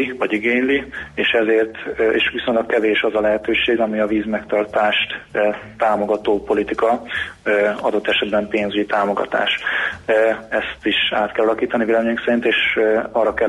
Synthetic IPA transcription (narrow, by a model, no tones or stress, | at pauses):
ivɒɟiɡeːɲlieːʃɛzeːrt̪ḛːʃʋiso̞ɲlɒkːɛveːʃɒzɒlɛɦɛt̪øːʃeːɡɒmiɒviːzmɛkt̪ɒrt̪aːʃt̪ːt̪aːmo̞ɡɒt̪oːpo̞lit̪ikɒ | ɒd̪o̞t̪ːɛʃɛd̪bɛmpeːnzyɟit̪aːmo̞ɡɒ̰t̪a̰ːʃ | ɛst̪iʃa̰ːt̪kɛlɒlɒkiːt̪ɒnieːlɛmeːɲɛksɛɾint̪eːʃɒrːɒkɛ